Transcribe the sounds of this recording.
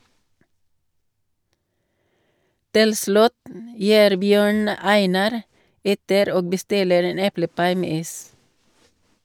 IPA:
ˈtɪl ˈslʉt m ˈjiːɾ ˈbjøːɳ ˈæɪnɑɾ ˈɛtəɾ ˈoːɡ bəˈstɪləɾ ˈeːn ˈɛpləˌpɑɪ ˈmeː ˈiːs

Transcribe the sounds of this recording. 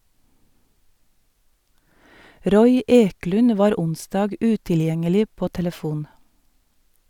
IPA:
ˈɾɔʏ ˈeːklʉn ˈʋɑːɾ ˈʊnsdɑːɡ ˈʉtɪlˌjɛŋəlɪ ˈpoː tɛləˈfuːn

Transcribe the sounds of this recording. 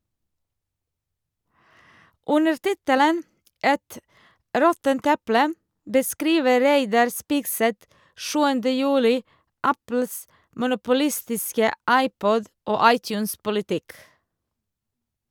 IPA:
ˈʉnəɾ ˈtɪtələn ˈʔɛt ˈɾɔtənt ˈɛplə bəˈskɾiːʋə ˈɾæɪdɑɾ ˈspiːɡsɛt ˈʃʉːəndə ˈjʉːlɪ ˈɑpl̩s mʊnʊpʊˈlɪstɪskə ˈɑɪˌpɔd ˈoː ˈɑɪˌtjʉːnspʊlɪˌtɪk

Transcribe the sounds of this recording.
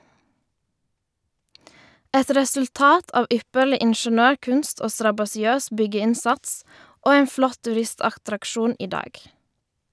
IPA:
ˈɛt ɾɛsʉlˈtɑːt ˈɑːʋ ˈʏpəɭɪ ɪɳʃəˈnøːˌkʉnst ˈoː stɾɑbɑsɪˈøːs ˈbʏɡəˌɪnsɑts ˈoː ˈeːn ˈflɔt tʉˈɾɪstɑxtɾɑkˌʃuːn ˈiː ˈdɑːɡ

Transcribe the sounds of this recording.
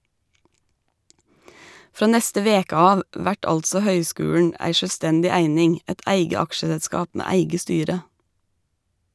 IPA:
ˈfɾoː ˈnɛstə ˈʋeːkə ˈɑːʋ ˈʋæʈ ˈɑltsɔ ˈhœʏˌskʉːʉɳ ˈæɪ ʃœlˈstɛndɪ ˈæɪnɪŋ ˈæɪt ˈʔæɪɡə ˈɑkʃəsəlˌskɑːp ˈmeː ˈæɪɡə ˈstyːɾə

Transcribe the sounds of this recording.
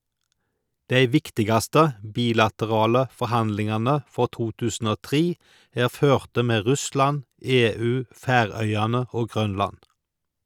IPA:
ˈdæɪ ˈʋɪktɪɡɑstə ˈbiːlɑtəˌʁɑːlə fɔʁˈhɑndlɪŋɑnə ˈfɔʁ ˈtuː ˈtʉːsn̩ ˈoː ˈtʁiː ˈæːʁ ˈføːʁtə ˈmeː ˈʁʉslɑn ˈeːˌʉː ˈfæːˌʁœʏɑnə ˈoː ˈɡʁœnlɑn

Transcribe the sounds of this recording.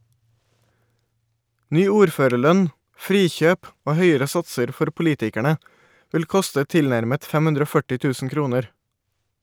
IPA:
ˈnyː ˈuːɾˌføːɾəˌɭœn ˈfɾiːˌçøːp ˈoː ˈhœʏəɹə ˈsɑtsəɾ ˈfɔɾ pʊˈliːtɪkæɳə ˈʋɪl ˈkʊstə ˈtɪlˌnæɾmət ˈfɛm ˈhʉndɾ ˈoː ˈfœʈɪ ˈtʉːsn̩ ˈkɾuːnəɾ

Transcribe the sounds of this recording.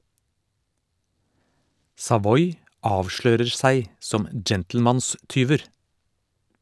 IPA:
sɑˈʋɔʏ ˈɑːʋˌʃløːɾəɾ ˈsæɪ ˈsɔm ə ˈd͡ʒɛntl̩ˌmɑnˌstyːʋəɾ

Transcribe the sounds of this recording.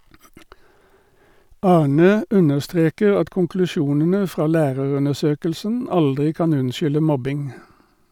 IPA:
ˈɑːˌɳøː ˈʉnəʁˌstʁeːkəʁ ˈɑt kʊŋklʉˈʃuːnənə ˈfʁɑː ˈlæːʁəʁʉnəˌʃøːkəlsən ˈɑldʁɪ ˈkɑːn ˈʉnˌʃʏlə ˈmɔbɪŋ

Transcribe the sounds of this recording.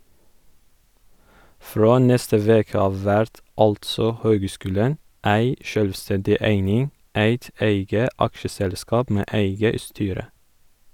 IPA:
ˈfɾoː ˈnɛstə ˈʋeːkə ˈɑʋ ˈʋæɾt ˈɑltsɔ ˈhøːɡˌskʉːlən ˈæɪ ˈʃœlʋˌstɛndɪ ˈæɪnɪŋ ˈæɪt ˈæɪɡə ˈɑkʃəˌsɛlˌskɑːp ˈmeː ˈæɪɡə ˈstyːɾə

